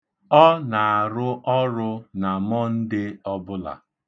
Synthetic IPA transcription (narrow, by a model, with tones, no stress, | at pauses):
ɔ˦na˨a˨ɾʊ˦ʔɔ˦ɾʊ˦na˨mɔ˦n̩˦dɪ˦ɔ˦bʊ˦la̰˨